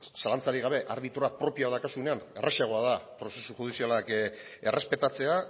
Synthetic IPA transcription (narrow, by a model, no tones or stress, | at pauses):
salant͡saɾiɣ̞aβ̞e̞ʔaɾβ̞it̪uɾapɾo̞piaðakasune̞anḛrʔasiaɣ̞o̞aðapɾo̞se̞suʝuð̞isialake̞rʔe̞spe̞t̪at͡se̞a